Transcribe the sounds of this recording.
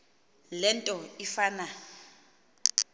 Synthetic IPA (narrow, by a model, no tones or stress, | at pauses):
lɛntʼɔifaːna